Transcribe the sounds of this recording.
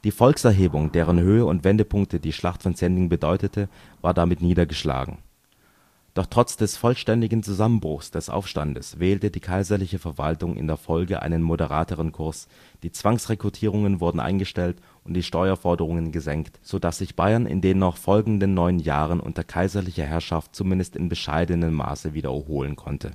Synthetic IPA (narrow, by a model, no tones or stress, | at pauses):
d̥iːfɔlksʔɛɐɦeːbʊŋdeːʁənɦøːəʊntv̥ɛndəpʰʊŋk̚tədiːʃlaχtfɔnt͡sɛndɪŋbədɔʏtətʰə | vaːɐdamɪtniːdɐɡəʃla̰ːɡŋ̩ | d̥ɔχtʁ̥ɔt͡sd̥ɛsfɔlʃtɛndɪɡn̩t͡suzamənbʁʊxsd̥ɛsʔa̰ʊfʃta̰ndəsvɛːltədiːkʰaɪzɐlɪçəfɛɐva̰ltʊŋʔɪ̰ndeːɐfɔlɡəʔa̰ɪnənmodəʁa̰ːtəʁənkʰʊɐs | d̥iːt͡sv̥aŋsʁekʁ̥utʰiːʁ̞ʊŋənvʊɐdn̩ʔa̰ɪnɡəʃtɛlt | ʔʊntd̥iːʃtɔʏɐfɔɐdəʁ̞ʊŋənɡəzɛŋktz̥odasz̥ɪçb̥aɪɐnʔɪ̰ndeːnːɔχfɔlɡŋ̩dənːɔʏənja̰ːʁənʔʊ̰ntɐɐkʰaɪzɐlɪçɐɦɛɐʃaft̚t͡sumɪndəstɪnbəʃa̰ɪdənəmːa̰ːsəviːdɐ̰ɦoːlənkʰɔntʰə